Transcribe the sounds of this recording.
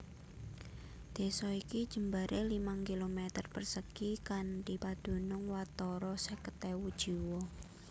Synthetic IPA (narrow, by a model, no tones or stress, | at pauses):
d̪̥e̤sɔikid̥ʒ̥ə̤mbaɾʔelimaŋkilomet̪ərpərsəkikandi̤pad̪̥ṳnʊŋwat̪ɔɾɔsəkət̪ewud̥ʒ̥i̤wɔ